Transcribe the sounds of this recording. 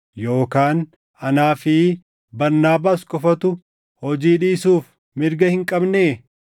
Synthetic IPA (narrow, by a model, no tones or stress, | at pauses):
jo̞ːkaːn | ʔɐnaːfɪ | bɐɾnaːbaːskʼɔfɐt̪ʊ | hɔd͡ʒiːᶑiːsuːf | mɪɾɡɐhɪŋkʼɐbneː